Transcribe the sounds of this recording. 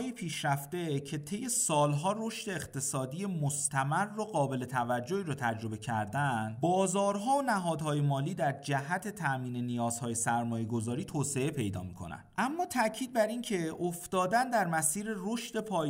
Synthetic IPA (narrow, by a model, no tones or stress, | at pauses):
jipʰiːʃɾæft̪e̞cʰe̞t̪ʰe̞jːe̞sɒːlɦɒːro̞ʃt̪e̞ːxt̪ʰe̞sɒːd̪iːje̞most̪ʰæmærːoɣɒːbe̞le̞t̪ʰævæd͡ʒːo̞iːɾɔːt̪ʰæd͡ʒɾo̞be̞cʰæɾd̪ænd̪bɒːzɒːɾɦɒːonæɦɒːd̪hɒːje̞mɒːliːd̪æɾd͡ʒæɦæt̪ʰe̞t̪ʰæʔmiːne̞nijɒːz̥hɒːje̞sæɾmɒːje̞ɡo̞zɒːɾiːt̪ʰoːse̞e̞pʰe̞jd̪ɒ̰ːmikʰo̞̰næ̰n̥ʔæmːɒːt̪ʰæcʰiːd̪̚bæɾiːncʰe̞ofd̪ɒːd̪ænd̪æɾmæsiːɾe̞roʃd̪e̞pʰɒː